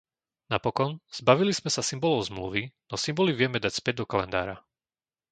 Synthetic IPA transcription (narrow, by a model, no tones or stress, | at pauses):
napɔkɔnz̥baʋiliz̥mɛsasimbɔlɔʊzmlṵʋinɔsimbɔliʋɪɛmɛd̪acspɛd̚d̪ɔkalɛ̰nd̪a̰ːɾa